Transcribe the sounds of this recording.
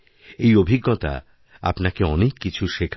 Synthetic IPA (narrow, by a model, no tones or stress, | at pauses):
ejobʱiɡːot̪a̰ | a̰pnakeɔnekːit͡ɕʰuʃekʰ